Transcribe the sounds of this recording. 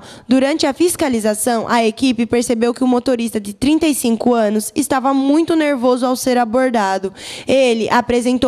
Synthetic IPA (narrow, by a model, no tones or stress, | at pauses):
d̪uɾɐ̃nt͡ʃɪɐfiskalizasɐ̃w̃ʔɐekipɪpeɾsebewkɪʊmot̪oɾist̪ɐd͡ʒ̪ɪt̪ɾĩnt̪ɐjsĩkʊɐ̃nʊsɪst̪avɐmũj̃t̪ʊneɾvozʊawseɾaboɾd̪ad̪ʊelɪʔapɾezẽnt̪o